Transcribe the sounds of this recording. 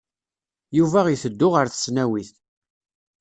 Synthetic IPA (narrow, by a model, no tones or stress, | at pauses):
juvæʁiθəd̪ːʊʁəɾθə̥snæwiθ